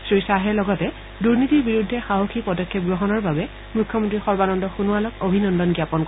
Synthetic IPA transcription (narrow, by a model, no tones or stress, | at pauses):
sɹijsaɦɛlɔɡɔtɛ | duɹnitiɹbiɹudʱːɛxaɦoxipɔdɔkʰːɛp̚ɡɹoɦɔnɔɹbabɛ | mukʰːjɔmɔntɹixɔɹbanɔndɔxunualɔkobʱinɔndɔnɡjapɔnkɔ